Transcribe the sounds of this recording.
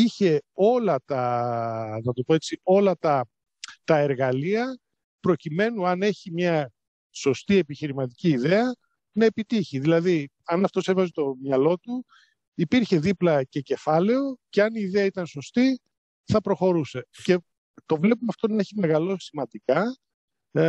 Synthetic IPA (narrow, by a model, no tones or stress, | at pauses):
içe̞o̞lɐt̪ɐ | nɐt̪opo̞e̞t͡sio̞lɐt̪ɐ | t̪ɐeɾɣɐliɐ | pɾo̞cime̞nuɐne̞çimɲɐ | so̞st̪ie̞piçiɾimɐt̪iciːðe̞ɐ | nɐepit̪içiðilɐði | ɐnɐft̪o̞sevɐzet̪o̞mɲɐlo̞t̪u | ipiɾçe̞ðiplɐce̞ce̞fɐle̞o̞ce̞ɐniːðeɐit̪ɐnso̞st̪i | θɐpɾo̞xo̞ɾuse̞ce̞ | t̪o̞vle̞pumɐft̪o̞nɐeçime̞ɣɐlo̞simɐnd̪ikɐ